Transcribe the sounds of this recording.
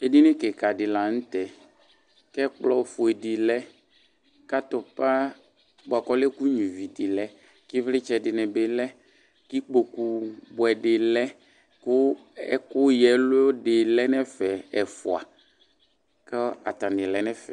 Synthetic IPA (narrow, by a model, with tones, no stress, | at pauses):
e˦di˦nɪ˦kɛ˨ka˨dɪ˨la˨n̩˦t̪ɛ˨ | kɛ˦k͡plɔ˦˨fʊ˨e˨di˨lɛ˦ | ka˦t̪ɔ˨pa˦ | ba˨kɔ˦lɛ˦ku˦ɲĩ˨vi˨dɪ˨lɛ˦ | kɪ˦vlɪ˦t͡ʃɛ˨dɪ˨nɛ˨be˦lɛ˦ | ki˦k͡po˨ku˨bʊ˨ɛ˨ɖɪ˨lɛ˦ | kʊ˦ɛ˦kʊ˦jɛ˨lo˦dɪ˨lɛ˦nɛ˦fɛ˨ɛ˨fʊ˨a̰˨ | kɛ˦a̰˨t̪a˨nɪ̃˨lɛ˦nɛ˦fɛ˨